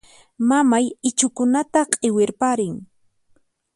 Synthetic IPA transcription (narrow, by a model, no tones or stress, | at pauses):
mamajɪt͡ʃʊkʊnat̪aqʼɪwɪɾpaɾɪŋ